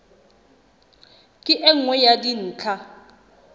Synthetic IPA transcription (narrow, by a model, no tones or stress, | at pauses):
kʼɪʔɛŋ̩wɛjadin̩ːt͡ɬʰa